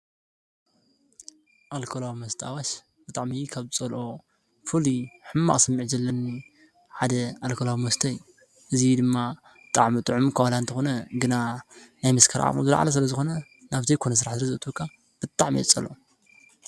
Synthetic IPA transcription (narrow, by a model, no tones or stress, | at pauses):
ʔalkʰolawimɐst̪ʰʔa̰waʃ | b̥ɨt̪ʼaʕmikʰaβɨt͡sʼɐlʔo̞ | fɨliħɨmːa̰χʼsɐmːɨʕd͡ʒɐlːɐnːi | ħad̪ɐalkʰolawimɐst̪ʰɐj | ʔɨzid̪ɨmːa | bɨt̪ʼaʕmit̪ʼɨʕumkʰɐwalant̪ʰɨxo̞nɐɡɨnanajmɐskʰɐɾʔa̰mʼo̰zɨla̰ʕa̰lɐs̬ɨlɐzɨxo̞nɐ | naβzɐjkʰo̞nɐs̬ɨɾaħzɨɾɐzɨɨt̪ʰukʰːa | b̥ɨt̪ʼaʕmḭɛ̰t͡sʼɐ̰loo